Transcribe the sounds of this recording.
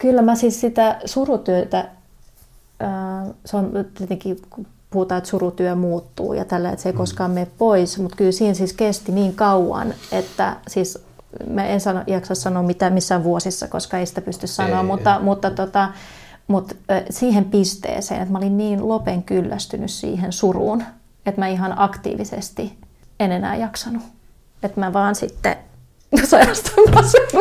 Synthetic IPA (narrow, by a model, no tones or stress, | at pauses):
kylːæmæsiːssit̪æsurut̪yøt̪æ | øːseont̪iet̪eŋkiu | puhut̪ɑːet̪surut̪yømuːt̪ːṵːjɑ̰t̪ælːæḛt̪seikoskɑːmmeːppoismut̪kylsiːnsiːskest̪iniːŋkɑuwɑ̰net̪ːæ̰siːs | mæensɑno̰ʔjɑksɑssɑnoːmmit̪æmisːæʋʋuosisːɑ̰ko̰skɑeisi̥t̪æpyst̪yssɑnoɑmmut̪ːɑmut̪ːɑt̪ot̪ɑ | mut̪siːhempist̪ḛːsḛːnet̪mæolinniːnlopeŋkylːæst̪ynyssḭːhensurṵːn | et̪mæiɦɑnɑkt̪ḭːʋisḛst̪i | enenæ̰ːjɑksɑnu | et̪mæʋɑːnsit̪ːḛ | sɑiɑst̪ɑmɑse